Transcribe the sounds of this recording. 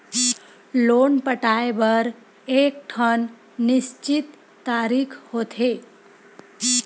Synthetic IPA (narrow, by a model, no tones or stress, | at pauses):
lonpəʈaebəɾ | ek̚ʈʰənː | ɪst͡ʃit̪ː | aɾikʰhot̪ʰe